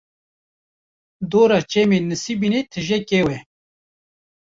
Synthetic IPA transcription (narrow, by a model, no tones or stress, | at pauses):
d̪oːɾat͡ʃemenɨsibinet̪ʰɨʒɛkewɛ